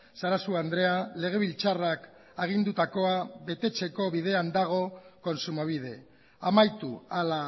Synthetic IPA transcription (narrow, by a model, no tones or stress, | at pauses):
saɾasuand̪ɾe̞ale̞ɣ̞e̞β̞ilt͡sarak | aɣ̞ind̪ut̪ako̞aβe̞t̪e̞t͡se̞ko̞βið̞e̞and̪aɣ̞o̞ko̞nsumoβ̞ið̞e̞ | amajt̪uala